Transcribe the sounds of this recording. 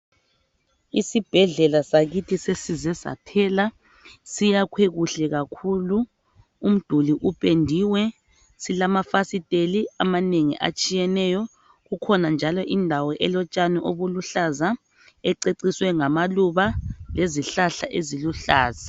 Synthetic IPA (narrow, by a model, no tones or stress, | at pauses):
isib̥ʱɛɮɛlasaɣitʰisesizɛza̰tʰɛla | sijakʰweɣuɬɛɣakʰulu | um̩d̥ʱuliʔupʼendʱiwɛ | silamafasitʼeliamaneŋḭʔa̰t͡ʃʼijɛnɛjɔ | ɣukʰɔnand͡ʒʱalɔʔindʱawɔʔɛlɔt͡ʃʼanɛʔoβuluɬaza | ɛǀeǀiswɛŋamaluβaleziɬaɬaʔeziluɬaːza